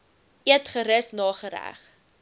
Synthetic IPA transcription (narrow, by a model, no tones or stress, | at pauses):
ʔiətχəɾəsnɑːχəɾæ̰χ